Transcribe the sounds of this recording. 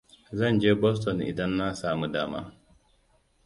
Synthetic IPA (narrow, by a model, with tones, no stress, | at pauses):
za˦˨nd͡ʒe˦bɔ˦s̬tɔ˨nḭ˨da˦nːa˦saː˦mu˦da̰ː˦ma̰˦